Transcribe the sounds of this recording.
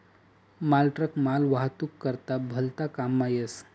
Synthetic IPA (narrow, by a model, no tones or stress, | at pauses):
malʈɾəkmalʋaɦt̪ukːəɾt̪abʱəlt̪akamːajəs